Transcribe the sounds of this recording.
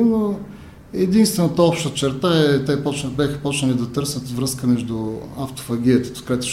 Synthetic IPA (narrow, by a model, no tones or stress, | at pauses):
no | ɛd̪inst̪vɛnət̪əɔpʃt̪ət͡ʃɛɾt̪aɛt̪ɛpɔt͡ʃ̪bʲaxə̥pɔt͡ʃnəlʲid̪ɐt̪ɤɾsʲət̪vɾɤskəmɛʒd̪ʊaft̪o̥fɐɡ̟ʲiət̪ə̥t̪o̥kɾɛt̪ʊ̥ʃ